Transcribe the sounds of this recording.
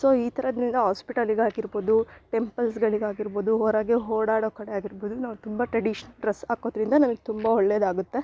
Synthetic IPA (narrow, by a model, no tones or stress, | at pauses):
so̞ːiːt̪ʰɐɾɐd̪ɾind̪ɐɦaːspiʈɐliɡaːɡiɾboːd̪uʈe̞mpɐlsɡɐɭiɡaːɡiɾbo̞ːd̪uɦoːɾaːɡeɦoːɽaːɽoːkɐɽeaːɡiɾboːd̪unaːʋut̪umbɐʈɾɐɖiʃɐnɐlɖɾɐsaːko̞ːd̪ɾind̪ɐnɐnɐɡet̪umbɐɔɭːed̪aːɡut̪ːe̞